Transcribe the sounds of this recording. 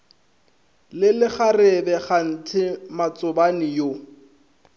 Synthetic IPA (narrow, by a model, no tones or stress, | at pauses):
lɪlɪχarɪbɛχan̩tʰɪmat͡sʊbanɪjo